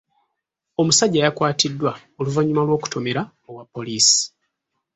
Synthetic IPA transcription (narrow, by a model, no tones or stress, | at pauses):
o̞musaɟːajakwaːtidːwa | oluvaɲːumalwo̞ːku̥to̞me̞ɾa | owapːo̞liːsi̥